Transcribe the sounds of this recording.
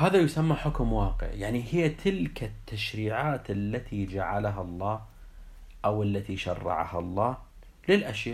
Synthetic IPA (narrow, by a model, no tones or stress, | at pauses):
haːðajʊsamːaħʊkmwɑːqɪ̰ʕjaʕnihɪjːat̪ʰɪlkat̪ːaʃɾiːʕaːt̪ɪlːat̪ʰid͡ʒaʕalaɦalˤːɑː | ʔawalːat̪iʃɑ̰rˤːɑ̰ʕa̰ha̰lˤːɑː | lɪlʔaʃjaː